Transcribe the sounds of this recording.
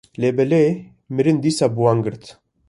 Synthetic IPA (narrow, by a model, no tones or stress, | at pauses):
lebɛle | mɪɾɨnd̪iːsabuwaŋɡɨɾt̪